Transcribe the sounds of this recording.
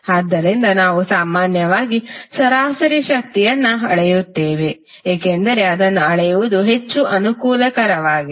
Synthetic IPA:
aːd̪ːɐɾind̪ɐnaːʋusaːmaːnjɐʋaːɡisɐɾaːsɐɾiʃɐk̚t̪ijɐnːɐɐɭejut̪ːeːʋe | eːkend̪ɐɾe̞ɐd̪ɐnːɐɐɭɛjuʋud̪uɦe̞t͡ʃːuʔɐnukuːlɐkɐɾɐʋaːɡi

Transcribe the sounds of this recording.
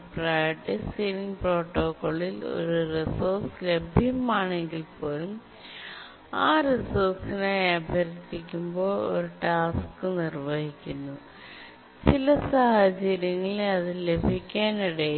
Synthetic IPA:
prajɐʈːisiːniŋpro̞ːʈːoːkːoːɭilo̞̰ɾuresoːrsle̞bʱjɐmaːɳe̞ŋɡilpo̞ːlum | aːresoːrsinejɐbʱjɐɾt̪ːikʲːumbo̞ːɭo̞̰ɾuʈaːskɨnirʋɐhikʲːunːu | t͡ɕilɐsɐhɐt͡ɕɐɾjɐŋːɐɭeɐðile̞bʱikʲːaːniɽej

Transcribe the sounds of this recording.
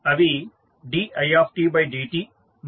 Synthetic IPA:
ɐʋi | ɖiːɐjaːfʈiːbaɪɖiːʈiː | m

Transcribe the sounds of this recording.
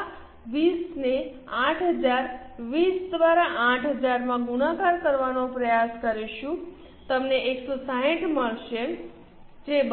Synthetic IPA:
ʋisne | ãʈʰɦəd͡ʒaɾʋisd̪ʋaɾaʔãʈʰɦəd͡ʒaɾmãɡunãkaɾkəɾʋanopɾəjaskəɾiʃũ | t̪əmneʔeksosaɦĩʈməɭʃe | d͡ʒeb

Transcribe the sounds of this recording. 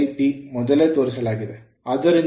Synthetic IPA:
ɪpimʊðɐlet̪oːɾɯsɐlaːɣɪðɯ | ɐðɐɾɪn

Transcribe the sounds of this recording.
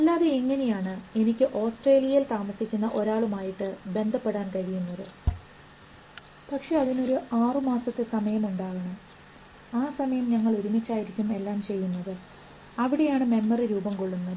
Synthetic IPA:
ɐlːaːðe̞iŋːɐne̞jaːɳɨe̞nikʲːɨʔo̞ːsʈreːlijilt̪aːmɐsikʲːunːɐʔo̞ɾaːɭumaːjiʈːɨbe̞nd̪ʱɐpːeɽaːnkɐɻijunːɐðɨ | pɐkʂe̞ɐðino̞ɾuʔaːrɨmaːsɐt̪ːesɐmɐjɐmuɳɖaːɣɐɳɐm | aːsɐmɐjɐmɲɐŋːɐɭuɾumit͡ɕːaːjiɾikʲːume̞lːaːmt͡ɕe̞jːunːɐðɨ | ɐʋiɽe̞jaːɳɨme̞mːɐriɾuːbɐmko̞ɭːunːɐð

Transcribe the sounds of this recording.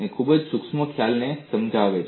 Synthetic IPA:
ekʰubəd͡ʒsʊksmokʰjalnesəmd͡ʒaʋet͡ʃ

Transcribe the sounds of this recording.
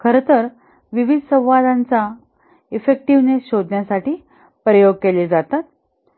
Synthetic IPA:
kʰəɾət̪əɾ | ʋiʋid̪ʱsə̃w̃ʋad̪ant͡sa | efek̚ʈiʋneɕod̪ʱnjasaʈiː | pɾəjoɡ̚keled͡zat̪at̪̚

